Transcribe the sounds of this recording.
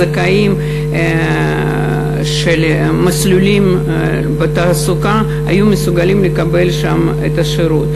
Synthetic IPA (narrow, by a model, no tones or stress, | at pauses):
ɐkaim | ʃel | maslulim | bet̪aːsuka | a̰jumesuɡalimlekabe̞lʃam | et̪ɐʃeɾut̪